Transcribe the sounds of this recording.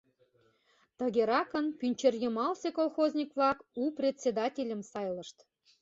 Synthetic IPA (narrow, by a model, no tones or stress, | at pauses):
t̪əɣeɾɑkənpynʲt͡ɕerjəmɑlsekolˠxozʲnʲikβlɑkuprʲet̪ʲsʲed̪ɑtʲelʲə̆msɑjlə̆ʃt̪